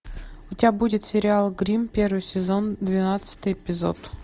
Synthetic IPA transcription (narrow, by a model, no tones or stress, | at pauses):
ʊtʲɪabudʲɪt̪sʲɪɾʲɪalˠɡɾʲimpʲe̞rvɨjsʲɪzond̪vʲɪnat̪sɨ̥t̪ɨjɪpʲɪzo̰t̪